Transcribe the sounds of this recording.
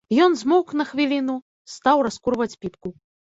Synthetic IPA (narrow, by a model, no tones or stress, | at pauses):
jɔnzmɔknɐxvʲilʲinu | st̪awrɐskuɾvɐt͡sʲpʲipku